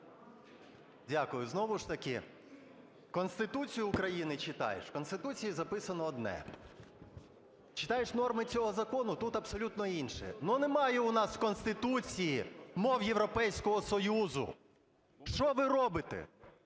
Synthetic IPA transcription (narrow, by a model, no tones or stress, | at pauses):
dʲakʊjʊznɔʋʊʃt̪ɐkɪ̰ | kɔnst̪ɪt̪ut͡sʲijʊːkɾɐjinɪt͡ʃɪt̪ɑ̰jḛʃkɔnst̪ɪt̪ut͡sʲijizɐpɪsɐnɔːd̪nɛ̰ | t͡ʃɪ̥t̪ɑjeʃnɔrmɪt͡sʲɔɦɔzɐkɔnʊt̪ut̪ɐbsɔlʲut̪nɔinʃɛ̰nunemɑjɛʊnɑskɔnst̪ɪt̪ut͡sʲijimɔwjeʋɾɔpɛjsʲkɔɦɔsɔjuzʊ̰ | ʃt͡ʃɔʋɪɾɔbɪt̪ɛ̰